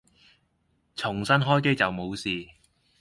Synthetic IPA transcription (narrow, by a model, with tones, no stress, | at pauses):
t͡sʰʊ˨˩ŋsɐ˥nɦɔː˥jk̬e˥jt͡sɐ˨wmo˨˧wsiː˨